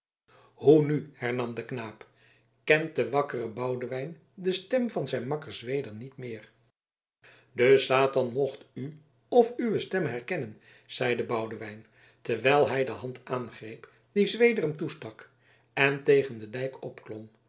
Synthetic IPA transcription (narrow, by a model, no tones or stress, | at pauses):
hunyhɛɹnɑmdəknaːp | kɛnt̚dəʋɑkərəbɑwdəʋɛjn | dəstɛmvɑnzɛjnmɑkəɹzʋejdəɹnitmɪːɹ | dəsaːtɑnmɔχty | ɔfyʋəstɛmɦɛɹkɛnən | z̥ɛjdəbɑwdəʋɛjn | təʋɛjlˠɦɛjdəɦɑntʰʔaːnχrejp | dizʋejdərəmtustɑk | ɛntejχəndədɛjkɔpklɔm